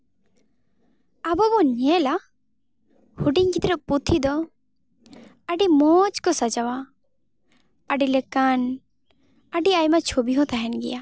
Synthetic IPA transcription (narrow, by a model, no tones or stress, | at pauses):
abɔbɔɲɛla | huɖiɲkit̪ɾɛput̪ʰid̪ɔ | aɖimɔt͡ʃkɔsad͡ʒawa | ɖilɛkan | aɖiajmat͡ʃʰobiɦɔ̃t̪aɦɛnɡḭja